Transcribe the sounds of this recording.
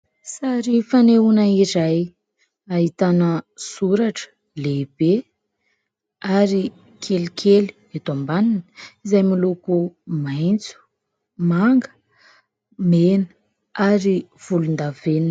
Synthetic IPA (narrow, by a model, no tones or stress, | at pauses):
saɾifaneunaiɾaj | aɦit̪anəsuɾaʈ͡ʂə̥ | leb̥e | aɾi | kʰelikʰeli̥ | et̪ombaninə̥izajmilukumajnt͡su̥ | maŋɡə̥ | menə̥ | aɾiv̥ulund̪aven